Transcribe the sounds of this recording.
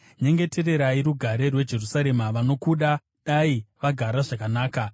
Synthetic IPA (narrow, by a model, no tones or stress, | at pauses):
ɲe̞ŋɡe̞te̞ɾe̞ɾaiɾuɡʱaɾe̞rwe̞d͡ʒe̞rusaɾe̞maʋano̞kuɗa | ɗaiʋaɡʱaɾaʐakanaːka